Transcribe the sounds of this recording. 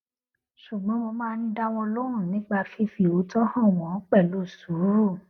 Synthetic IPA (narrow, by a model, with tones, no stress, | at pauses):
ʃu˨ɡ͡bɔ̃˨˦mo˧mãː˦˧˦nĩ˦da˦w̃ɔ̃˧lo˦ɾ̃ũ˦˨nĩ˨˦ɡ͡ba˧fi˦fi˧o˨˦tɔ˦hã˦˨w̃ɔ̃˨˦k͡pɛ˦˨lo˦˨su˨˦ɾu˦˨